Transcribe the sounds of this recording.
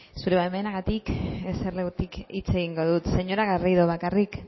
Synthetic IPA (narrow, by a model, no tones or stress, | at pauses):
suɾe̞βaemenaɣat̪ikeserleɣut̪ikit͡se̞ɣ̞iŋɡo̞ðut̪se̞ɲo̞ɾaɣariðoβakarik